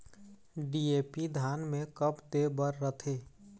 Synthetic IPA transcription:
ɖieːpid̪ʱaːnmẽkəpd̪ebəɾːət̪ʰeː

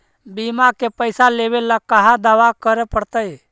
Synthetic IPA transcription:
bimakepəɪsaleːʋelakəɦãd̪aʋakəɾepəɽt̪əj

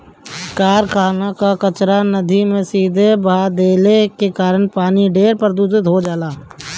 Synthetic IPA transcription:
kaːɾkʰaːnakakət͡ʃɾanəd̪ʱimẽsiːd̪ʱebaːd̪eːlekekaːɾənpaːniɖeːɾpəɾd̪uːd͡ʒət̪ɦod͡ʒaːlaː

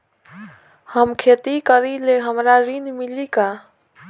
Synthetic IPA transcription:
həmkʰet̪ikəɾileɦəmɾaɾinmilika

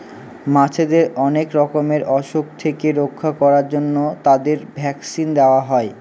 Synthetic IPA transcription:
mat͡ɕʰed̪eɾɔnekɾɔkomeɾʔɔʃokt̪ʰekeɾokʰːakɔɾaɾd͡ʑonːot̪ad̪eɾbʱɛksind̪eoaɦɔe

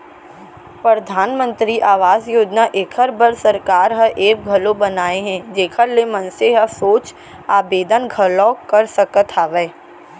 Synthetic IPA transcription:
pɾəd̪ʱaːnmə̃nt̪ɾiʔaːʋaːzjoːd͡ʒnaʔekʰəɾbəɾsɐɾkaːɾɦəʔeːk̚ɡʱɐlõbɐnaːeɦɛ̃d͡ʒeːkʰəɾlemɐnseɦəsoːt͡ʃ | aːbeːd̪ənɡʱɐlɔːkɐɾsəkət̪ʰaːʋɛː

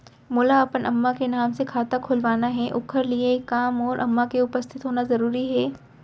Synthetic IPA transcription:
mʊlaɐpənʔɐ̰mːakenaːmsekʰaːt̪akʰʊlʋaːnaɦɛʔʊkʰəɾliekːaːmɔːɾʔɐ̰mːakeʊpəst̪ʰɪt̪ɦoːnazɐɾuːɾiɦɛː

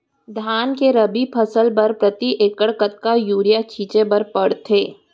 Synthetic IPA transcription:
d̪ʱaːnkeɾɐbipʰɐsəlpɐɾpɾət̪iʔeːkəɽkət̪̚kajuːɾijakʰiːt͡ʃebɐɾpɐɽt̪ʰeː

